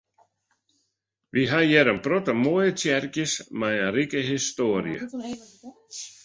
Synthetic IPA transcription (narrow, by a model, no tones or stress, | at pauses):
viɦaðjɛɾampɾɔt̪amɔːðɪt̪ʰjɛɾcɪsmaaɾiːkɪɦist̪ɔːɾj̰ə̰